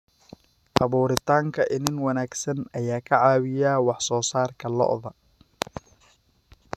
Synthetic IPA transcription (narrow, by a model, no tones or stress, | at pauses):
ʔɑβuːɾɪt̪ʰaːŋkʰɐʔɪnɪnwɐnaːɡsɐnɐjaːkʰɐʕɑːwɪjaːwɑħsɔːsaːrkʰɐlɔ̰ʔðɐ